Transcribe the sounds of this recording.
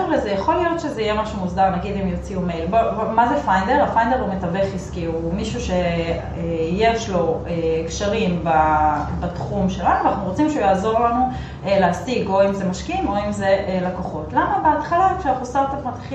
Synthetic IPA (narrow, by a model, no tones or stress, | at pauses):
uʁlezejaχo̞lijo̞tʃe̞zeijemaʃumuzdaʁnaɡid̪imjo̞t͡siumejlboomazefajndeʁafajnde̞ʁumetaveχiskiuumiʃuʃe̞ | ejeʃlo̞ekʃaʁimbabatχumʃelanuanaχnuʁot͡simʃeujaːzo̞ʁlanu | eleasiɡo̞imze̞maʃkimo̞imze̞ʔelakoχo̞tlamabeat̪χalakʃeanaχnustaʁt̪apmat̪χi